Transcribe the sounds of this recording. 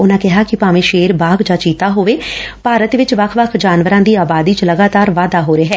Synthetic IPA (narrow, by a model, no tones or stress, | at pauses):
ʊnãːkɪɦaːkɪpaːmẽːʃeːɾbaːɡd͡ʒaːt͡ʃiːt̪aːɦoːʋeːpaːɾət̪ʋɪt͡ʃʋəkʰʋəkʰd͡ʒaːnʋəɾãːd̪iːaːbaːd̪iːt͡ʃləɡaːt̪aːɾʋaːd̪aːɦoːɾeːɦɛː